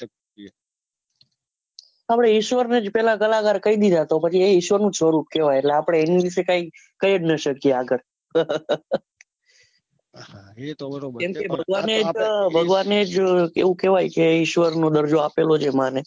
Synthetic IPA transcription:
apɽ̃eɪʃʋəɾned͡ʒpɛlãkəlakaɾkəid̪id̪ʱat̪opət͡ʃʰieɪʃʋəɾnũd͡ʒsəɾup̚keʋajeʈleapɽ̃eːnid̪iʃekaikəjeɖnəʃəkjeaɡəɾ | kemkebʱəɡʋaned͡ʒbʱəɡʋaned͡ʒeʋũkeʋajkeɪʃʋəɾnod̪əɾd͡ʒoapelod͡ʒemane

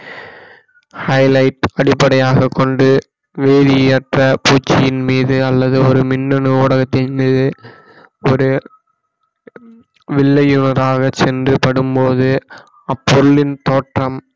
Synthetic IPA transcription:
hɐɪlɐɪʈɐɽɪpːɐɽɐjaːɣɐkːɔɳɖɯ | ʋeːðɪɐʈrɐpuːt͡ʃːɪjɪnmiːðɯɐlːɐðɯɔɾɯmɪnːɔnɯoːɽɐɣɐt̪ːɪnmiːðɯ | ɔɾɯ | ʋɪɭːɐjʊnɐɾaːɣɐt͡ʃːɛndrɯpɐɽɯmpoːðɯ | ɐpːɔɾɯɭɪnt̪oːʈrɐm

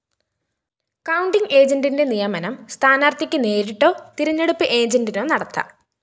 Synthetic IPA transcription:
kɐwuɳɖiŋe̞ːd͡ʑɐndinde̞nijɐmɐnɐmst̪ʰaːnaːrt̪ikʲːɨne̞ːɾiʈːo̞ːt̪iɾɐɲːeɽupːɨʔe̞ːd͡ʑɐndino̞ːnɐɽɐt̪ːɐ̰

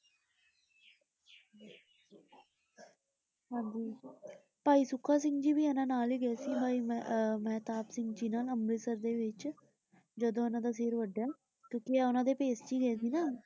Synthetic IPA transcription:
ɦãːɲd͡ʒiː | paːiːsʊkʰːaːs̬ɪ̃ŋɡd͡ʒiːbiːɛnãːnaːliːɡɛɛːsiːbʱaːiːmɛ̃ːt̪aːpsɪŋɡd͡ʒiːnaːləmɾeːsəɾd̪eːʋɪt͡ʃ | d͡ʒəd̪õːʊnãːd̪aːs̬eːɾʋəɖjaː | kjõːkɪɛːʊnãːd̪eːpeːsd͡ʒiːɡəeːs̬iːnaː

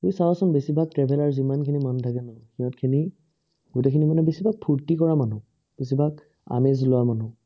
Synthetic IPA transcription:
ujsawasɔmbesibʱak̚tɹɛbʱɛlaɹuzimankʰinimɔntʰakɛnɔxiɔ̃tkʰini | ɡutekʰinimanɛbesibʱak̚pʰuɹtikɔɹamanʊ̃ | b̥es̬ibʱaɡ | a̰mezlʊwamanʊ̃

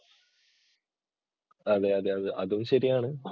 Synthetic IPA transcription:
ɐðeɐðeɐðɨʔɐðumɕɐɾijaːɳɨ

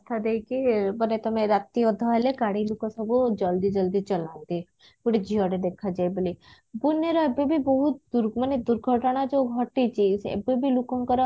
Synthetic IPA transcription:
t̪ʰad̪ekibənet̪ɔmẽɾat̪iɔd̪ʱɔɛleɡaɽilukɔsəbud͡ʒəld̪id͡ʒəld̪it͡ʃəlãnd̪i | kuɽid͡ʒʱijɔɽed̪ekʰad͡ʒaebəli | buneɾɔebebʱibɔɦut̪̚d̪uɾməned̪uɾɡʱɔʈnad͡ʒoɡʱɔʈit͡ʃisɛ̰bebʱilukõŋkɔɾ

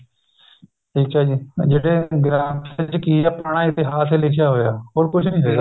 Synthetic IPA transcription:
ʈʰiːk̚t͡ʃaːd͡ʒiːd͡ʒeːɽeːɡɾaːmɪt͡ʃkiːəpɳãːɪt̪ɪɦaːselɪkʰjaːɦoːja̰ːɦoːɾkʊt͡ʃʰnĩːɦeːɡaː

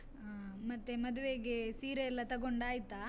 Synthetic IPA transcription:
mɐt̪ːemɐd̪uʋeɡesiːɾeɛlːɐt̪ɐɡoɳɖaːjit̪ːa

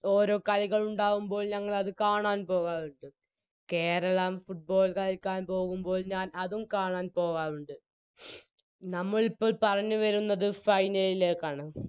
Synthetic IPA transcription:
o̞ːɾo̞ːkɐliɣɐɭuɳɖaːɣumbo̞ːlɲɐŋːɐɭɐðɨkaːɳaːnpo̞ːɣaːnuɳɖɨ | ke̞ːɾɐɭamfuʈ̚bo̞ːlkɐlɐlkːaːnpo̞ːɣumbo̞ːlɲaːnɐðumkaːɳaːnpo̞ːɣaːnuɳɖɨ | nɐmːɐɭipːo̞ːɭpɐrɐɲːɨʋɐɾunːɐðɨfɐjnɐlileːkːaːɳɨ

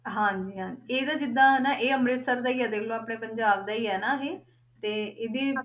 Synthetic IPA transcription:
ɦãːɲd͡ʒiːɦãːd͡ʒieːd̪aːd͡ʒɪd̪ãːɦɛːnaːʔeːəmɾɪt̪səɾd̪aːiːɛːd̪eːklõːaːpɽẽːpəɲd͡ʒaːbd̪aːiːɛːnaːɦeː | t̪eːeːd̪eː

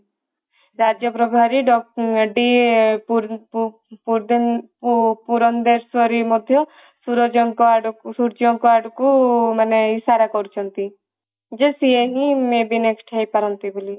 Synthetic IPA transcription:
ɾad͡ʒjɔpɾɔbʱaɾiɖɔɖi | ɾ | puɾd̪ | puɾɔnd̪eɾsɔɾimɔd̪ʱjɔ | suɾɔd͡ʒɔŋkɔaɖsuɾd͡ʒɔŋkɔaɖkumaneisaɾakɔɾut͡ʃʰɔnt̪i | d͡ʒesieɦimebineksʈʰejpaɾɔnt̪ibuli

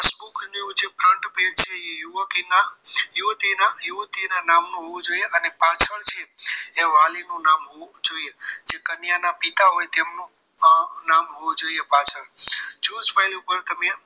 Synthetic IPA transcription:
sbukniũd͡ʒʰepɾəɳʈped͡ʒt͡ʃʰeejuʋəkinajut̪inajuʋt̪inanamnũɦoʋũd͡ʒoieʔənepat͡ʃʰəɭt͡ʃʰeeʋalinũnamɦoũd͡ʒoied͡ʒekənjanapit̪aɦojt̪emnũ | namɦoʋũd͡ʒoiepat͡ʃʰəɾd͡ʒuspajlupəɾt̪əmeã

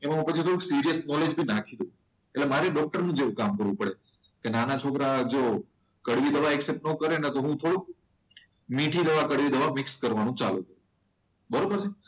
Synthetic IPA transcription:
emaɦãpət͡ʃʰit̪ʰoɽũksiɾijəsnɔled͡ʒbʱinakʰid̪ũ | eʈlemaɾeɖɔk̚ʈəɾnũd͡ʒeʋũkamkəɾʋũpəɽe | kenanat͡ʃʰokɾad͡ʒo | kəɽʋid̪əʋaɛksep̚ʈnəkəɾenet̪oɦũt̪ʰoɽũk̚ | mĩʈʰid̪əʋakəɽʋid̪əʋamɪkskəɾʋanũt͡ʃa̰luk̪əɾu | bəɾobəɾt͡ʃʰe

